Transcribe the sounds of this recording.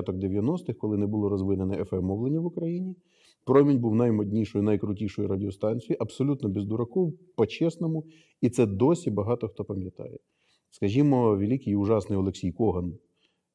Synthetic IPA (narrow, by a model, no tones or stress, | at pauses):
t̪ɔɡd̪eʋʲjɐnɔst̪ɪxkɔlˠɪnɛbʊlˠɔɾɔzʋɪnenɛʔɛfɛmːɔblˠenʲiʋʊkɾɐjinʲi | pɾɔmʲinʲbuwnɐjmɔdʲnʲiʃɔjʊnɐjkɾʊtʲiʃɔjʊɾɐdʲɪɔst̪ɑnʲt͡sʲijiʔɐbsɔlʲut̪nɔbizd̪ʊɾɐkɔwpɔt͡ʃɛsnɔmʊ | it̪sɛd̪ɔsʲibɐɦɑt̪ɔxt̪ɔpɐmʲjɐt̪ɑ̰jɛ | skɐʒʲimɔʋʲelʲikɪjʊʒɑsnɪjɔlˠeksʲijkɔɦɐn